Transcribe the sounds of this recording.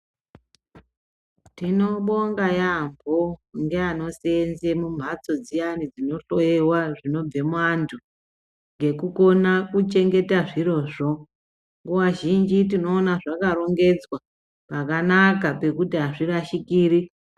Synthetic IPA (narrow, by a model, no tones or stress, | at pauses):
tino̞ɓo̞ŋɡajambʱoŋɡeano̞senze̞mum̤ʱat͡so̞d͡zijanid͡zino̞ɬo̞jewaʐino̞b͡ve̞mwantʰu | ŋɡe̞kuko̞nakut͡ʃe̞ŋɡe̞taʐiɾo̞ʐo̞ | ŋɡuwaʒind͡ʒitino̞ːnaʐakaɾo̞ŋɡe̞d͡zwa | pakanakape̞kutiɦaʐiraʃikiːɾi